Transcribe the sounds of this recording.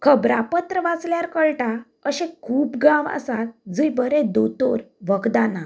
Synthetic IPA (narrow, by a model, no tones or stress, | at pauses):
kʰəbɾapət̪ɾəʋat͡sljaɾkəɭʈa | əɕẽkʰuːpɡãʋə̰sat̪d͡zəjbəɾed̪ot̪oɾʋəɡd̪ana